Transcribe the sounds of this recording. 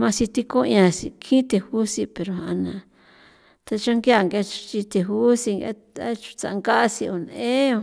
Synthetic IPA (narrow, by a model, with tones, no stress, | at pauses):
mã˧si˧t̪i˧kõ˦˧ã˧si˧kʰĩ˦t̪e˧hu˦si˧pe˧ɾo˧ɦã˧nã˧ | t̪a˧t͡ʃa˦ŋɡja˦˨ŋɡa˧t͡ʃu̥˧t͡ʃi˧t̪e˨˧ɦu˦si˧ŋ˧a˦ | a˦t͡ʃu̥˧t͡sa̰˨˧ŋɡa˦si˧o˧n˧ẽ˦o˧